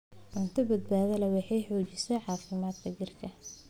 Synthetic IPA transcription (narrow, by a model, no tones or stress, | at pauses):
ʕʊnt̪ʰɐbɐd̪̚baːðɐlɛwɑħɑjħɔːt͡ʃɪsɛʕɑːfɪmaːd̪kʰɐd͡ʒɪrkʰɐ